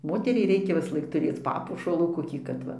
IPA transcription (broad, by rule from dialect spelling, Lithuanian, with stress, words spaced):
ˈmoːtʲɛrʲɛɪ ˈrʲɛɪkʲɛ ʋʲɪsˈlˠɐɪk tʊˈrʲeːt͡s ˈpɑːpuɔʃɐlˠuː koːˈkʲiː kɐt ˈʋɐ